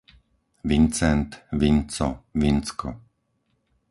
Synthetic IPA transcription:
ʋint͡sɛnt̪ʋint͡sɔʋint͡skɔ

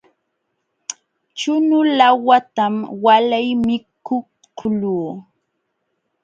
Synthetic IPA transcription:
t͡ʃʊnʊlawat̪amwalajmɪkʊ | ʊluː

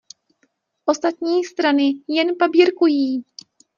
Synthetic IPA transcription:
ʔo̞st̪at̪ɲiːst̪ɾanɪjɛnpabiːɾkujiː

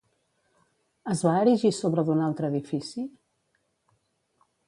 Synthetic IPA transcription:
əzβaəɾiʒisoβɾəðunalˠt̪ɾəːðifisi

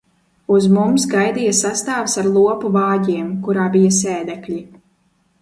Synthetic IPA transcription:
uzmumsɡajd̪ijasast̪aːfsaɾlˠuɔpuvɑːɟiɛmkuɾaːbijɐseːd̪ɛkʎʲi

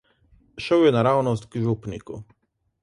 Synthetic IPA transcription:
ʃɛwjɛnaɾawnɔzɡʒupnʲḭkṵ

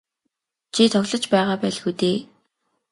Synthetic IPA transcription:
t͡ɕʰit̪ʰɔɣɮɞ̆t͡ɕpæːʁaːpæːɮxuːt̪eː

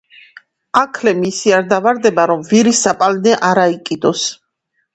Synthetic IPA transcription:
akʰlɛmisiaɾd̪avaɾd̪ɛbaɾɔmviɾisːapʼalnɛʔaɾaikʼid̪ɔs

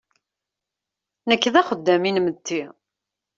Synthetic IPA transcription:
nəkːðæχəd̪ːæminmət̪ːi

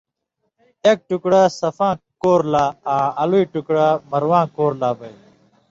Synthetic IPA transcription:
ek̚ʈukɽasɐfãːkoːɾlaːãːɐluiʈukɽamɐɾwãːkoːɾlaːbɐj

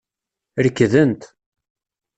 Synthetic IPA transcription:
ɾəkːðənt̪

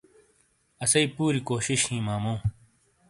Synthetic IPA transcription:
ɐsɐipuːɾikoːɕiɕhĩːmaːmũː

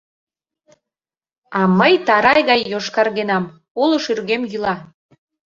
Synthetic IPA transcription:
ɑməjt̪ɑɾɑjɣɑjːoʃkɑrɣenɑm | oloʃyrɣemjylɑ

